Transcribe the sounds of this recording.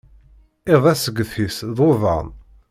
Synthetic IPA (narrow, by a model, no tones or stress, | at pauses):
ɪðˤæsəɡːəfisðˤovɑ̰ʁn